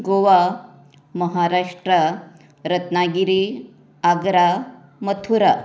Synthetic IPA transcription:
ɡoʋa | məɦaɾaʂʈɾə | ɾət̪naɡiɾi | aɡɾa | mət̪ʰuɾa

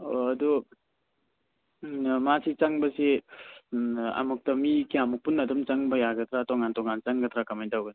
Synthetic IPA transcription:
oɐdu | masʰit͡ʃaŋbɐse | a̰muk̚tɐmikiamuk̚punːadɔmt͡ʃaŋbɐjaɡɐt̪ʰɾatɔŋantɔŋant͡ʃaŋɡɐt̪ʰɾakamajdawɡan

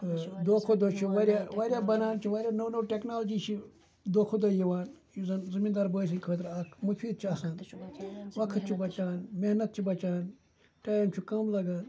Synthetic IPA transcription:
d̪oːkʰod̪oːt͡ʃʰuʋaːɾjaːʋaːɾʲjaːbɐnaːnt͡ʃʰiʋaːɾʲjaːnonoʈeknaːld͡ʒiːt͡ʃʰi | d̪oːkʰod̪ojiʋaːnjuzɐnzɨmiːnd̪aːɾbəːs̬inʲkʰəːt̪ɾakʰmufiːd̪̚t͡ʃʰiaːsãːn | ʋɐkʰt̪̚t͡ʃʰibɐt͡ʃaːnmehnɐt̪̚t͡ʃʰibɐt͡ʃaːn | ʈaːjint͡ʃʰukɐmlɐɡaːn

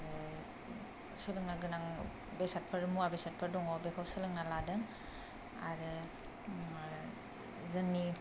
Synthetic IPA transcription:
ɾɯ | sɯlɯŋnaɡɯnaŋ | besat̚pʰɯɾmuabesat̚pʰɯɾdɔŋɔwbekʰawsɯlɯŋnaladɯŋ | a̰ɾɯ | zɯnːi

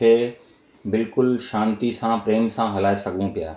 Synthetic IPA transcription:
e | bɪlkʊlʃãːnt̪isãpɾeːmsãɦɐlaːesɐɡũpja̰ː

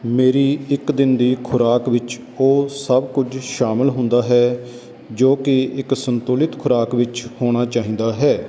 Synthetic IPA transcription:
meːɾiːɪkd̪ɪnd̪iːkʰʊɾaːkʋɪt͡ʃ | oːsəbkʊd͡ʒʃaːməlɦʊ̃nd̪aːɦɛː | d͡ʒoːkɪɪksənt̪ʊːlɪt̪kʰʊɾaːkʋɪt͡ʃhoːɽ̃aːt͡ʃaːɦĩːd̪aːɦɛː

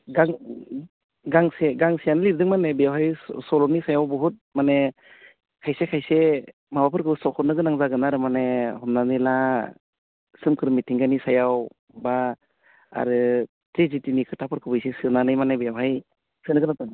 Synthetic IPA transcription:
ɡaŋ | ɡaŋseɡaŋsijanɯliɾdɯŋmanebijawɦajsɔlɔnisajawbɔɦut̚mane | kʰajsekʰajse | mabapʰɯɾkʰɯbɯsɔkʰɔnɯɡɯnaŋzaɡɯnaɾɯmanehɔmnanɯla | sɯmkʰɯɾmitʰiŋɡanisajaw | ba | a̰ɾɯ | tɾizitinikʰɯtʰapʰɯɾkʰɯbɯjsesɯnanɯjmanebijawɦaj | sɯnɯɡɯnatɔŋ

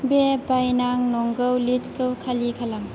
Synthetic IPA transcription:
bebajnaŋnɔŋɡɯwlitkɯwkʰalikʰalaŋ

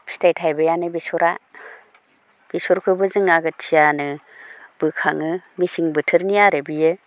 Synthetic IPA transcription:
psi̥tajtʰajbɯjanɯbisɔɾa | b̥isɔɾkʰɯbɯzɯŋaɡɯt͡ʃʰijanɯb̥ɯkʰaŋɯmisiŋbɯtʰɯɾnijaɾebijɯ

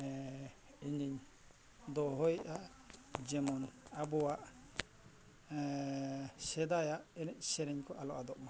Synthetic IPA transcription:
iɲiɲ | d̪ɔɦɔjʔa | d͡ʒɛmɔnabɔwaʔ | sɛd̪ajaʔɛnɛc̚ˀsɛɾɛɲkʰɔʔalɔ̰ʔad̪ɔʔma

